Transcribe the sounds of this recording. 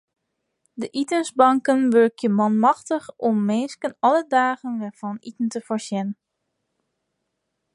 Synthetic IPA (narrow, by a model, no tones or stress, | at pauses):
dəʔitənsbɑŋkənʋøɹkjəmɑnmɑxtəxɔmːeːskənɔlədaːɣənʋɛv̥ɔnitn̩təfɔɹsjɛn